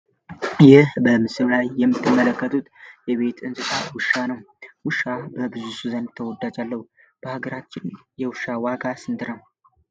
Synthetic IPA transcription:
jɪhbəmɨsɨɾlajːɛmːɨt̪ʰːɨmːələkːət̪ʰut̪jɛβe̞t̪ɨnsɨt̪ʰawʊʃːanəw | wʊʃːabəbɨzusuzənd̪t̪ʰːəwɔd̪ad͡ʒalːəhu | b̥əhaɡəɾat͡ʃːɪnjɛwʊʃawaɡasɨnt̪ʰɨɾəw

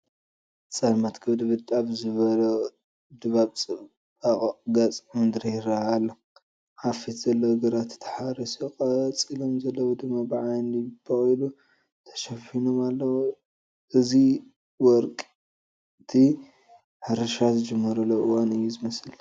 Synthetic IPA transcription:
t͡sʼɐlmɐt̪kʰɨβd̪bɨt̪ʼaβzɨβɐlɐ | d̪ɨβabt͡sʼɨ | aɡat͡sʼmɨnd̪ɨɾihɪɾaalːɐ | ʕafit̪z̥ɐlːɐwɡɐɾat̪t̪ʰːħaɾisikʼɐt͡sʼilomzɐlːɐwud̪ɨmːabɨʕajnibɐχʼilu | t̪ʰɐ̥ʃɐfinomalːɐwo | ʔɨzi | wɔɾkʼ | t̪ʰi | ħɨɾɨʃazɨd͡ʒɨmːɐɾɐlːoʔɨwanɨjːuzɨmɐsɨl

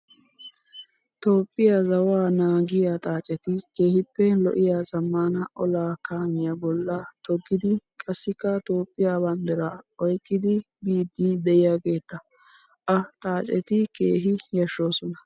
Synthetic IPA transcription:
t̪o̞ːpʼːɪjazɐwaːnaːɡɪjat̪ʼaːt͡ʃʼɛt̪ɪke̞ːhɪpːɛlɔ̰ʔɪjaːzɐmːaːnɐʔɔlaːkaːmɪjabɔlːat̪ɔɡːɪd̪ɪkʼɐsːɪkːɐt̪oːpʼːɪjaːbɐnd̪ɛɾaːɔjkʼːɪd̪ɪ | biːd̪ːid̪ɛjɪjaːɡe̞ːt̪ːɐ | ʔɐt̪ʼaːt͡ʃʼɛt̪ɪke̞̰ːɦɪjɐʃːo̞ːsɔnɐ

